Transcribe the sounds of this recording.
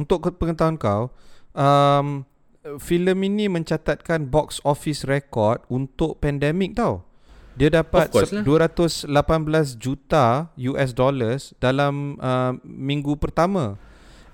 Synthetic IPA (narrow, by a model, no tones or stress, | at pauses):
unt̪ʊkpəŋət̪awankawʔəm | filəminĩmə̃ɲt͡ʃat̪at̪̚kanbɔksɔfisrekɔrt̪̚unt̪ʊʔ̚pɛndɛmik̚t̪aw | diadapat̪̚duəɾat̪ʊslapanblas̬d͡ʒut̪ajuʔɛs̬dɔləsdalaməːĩŋɡupərt̪amã